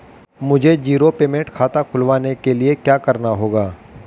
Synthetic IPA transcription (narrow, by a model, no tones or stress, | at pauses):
mʊd͡ʒʱed͡ʒiːɾopeːmẽɳʈkʰaːt̪akʰʊlʋaːnekeliekjaːkɐɾnaɦoːɡaː